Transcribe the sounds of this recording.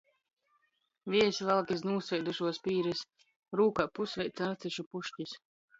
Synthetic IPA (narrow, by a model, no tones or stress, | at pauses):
vʲiɛsvalˠkʲis̬nuːsvʲɛjd̪uʃuɔspʲiːɾɛs | ɾuːkapusvɛjt̪saɾt̪siʃupuʃcis